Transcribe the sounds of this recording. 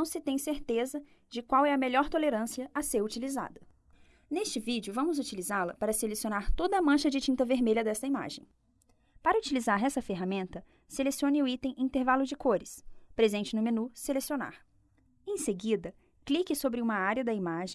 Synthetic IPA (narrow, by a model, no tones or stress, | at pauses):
nɐ̃w̃sɪt̪ẽj̃seɾt̪ezɐ | d͡ʒɪkwawɛɐmeʎɔɾt̪oleɾɐ̃siɐʔɐseɾut͡ʃiliza̰d̪ɐ | nest͡ʃɪvid͡ʒʊvɐ̃mʊzut͡ʃilizalɐpaɾɐselesiõnaɾt̪od̪ɐːmɐ̃ʃɐd͡ʒɪt͡ʃĩnt̪ɐveɾmeʎɐd̪ɛst̪ɐima̰ʒẽj̃ | paɾɐut͡ʃilizaɾɛsɐfeɦamẽnt̪ɐ | selesiõnɪʊit̪ẽj̃ĩnt̪eɾvalʊd͡ʒɪkoɾɪspɾezẽnt͡ʃɪnʊmenuselesiona̰ɾ | ẽj̃seɡid̪ɐ | klikɪsobɾɪũmɐaɾiɐd̪ɐimaʒẽ